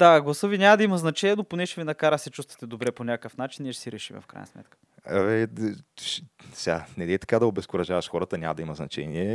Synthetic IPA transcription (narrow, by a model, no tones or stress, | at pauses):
d̪aɡlˠɐsɤvinʲamɐd̪ɐimɐznɐt͡ʃɛnʲiɛnoponɛʃɛvinɐkaɾəxsɛt͡ʃust̪vɐ̥t̪ɛd̪obɾɛponʲakkəfnat͡ʃiniɛʃsiɾɛʃimɛ̰fkɾa̰jn̰smɛ̰t̪kə̥ | ɛvɛʃsʲanɛd̪ɛt̪ɐ̥kad̪ɐobɛskʊɾɐʒavɐʃxɔɾət̪ənʲamɐd̪ɐimɐznɐ̰t͡ʃɛ̰niɛ